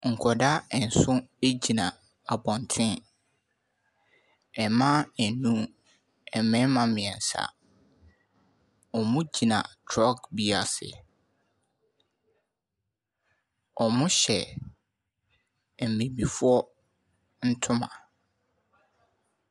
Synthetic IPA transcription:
ŋ̩˨kʰɔ˨da˦ɛ˨n̩˨sʊ̃˦e˦d͡ʑi˨nã˨ | a˨bɔ̃˨n˨tʰɪ̃˦ | ɛ˨mã˦æ˨nũ˦ | ɛ˨mɪ̃˦mã˨mɪ̃˨ɛ̃˨n̩˨sa̰˨ | ɔ˨mʊ̃˦d͡ʑi˨nã̰˨tʰɾɔ˦kbi˦a˨sɪ̰˨ | ɔ˨mʊ̃˦ɕɛ˨ | m̩˨mẽ˨bi˨fʊ˦ɔ˦ | n̩˦tʰʊ̃˦mã̰˨

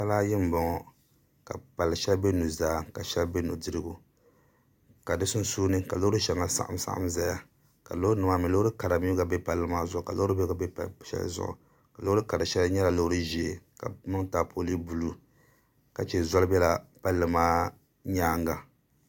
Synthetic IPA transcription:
ta˦laː˦jɪ˦m̩˨bɔ˨ŋɔ˨ | ka˨pa˨lːɨ˨ʃɛ˦lbe˦nu˨zaː˦ka˨ʃɛ˦lbe˦nṵ˨dɨ˦ɾɨ˦ɡu˨ | ka˨dɨ˦sʊ˦n˦suː˦nɨ˦ka˨lo˦ʊ˦ɾɨ˦ʃɛ˨ŋa˨sa̰˦ʔa̰˦msa̰˨ʔa̰˦mza˦ja˨ | ka˨lo˦ɨ˦nɨ˨ma˦mi˨lo˦ɾɨ˦ka˨ɾa˨mi˦ɡa˨bɛ˦pa˨lːɨ˦maː˦zɔ˦˨ka˨lo˦ɨ˦bɛ˦ɡa˦bɛ˦˨ʃɛ̰˦l̰zʊ̰˦ʔɔ̰˨ | ka˨lo˦ɾɨ˦ka˨ɾa˨ʃɛ˦lɲɛ˦la˨lo˦hɾɨ˦ʒi˨e˨ka̰˨mɨ˦ŋtaː˨pʰo˦li˦bu˨lu˨ | ka˨t͡ʃɛ˨zɔ˦lɨ˦bɛ˦la˨pa˦lːɨ˨maː˦ | ɲaː˦ŋ˦ɡa˨

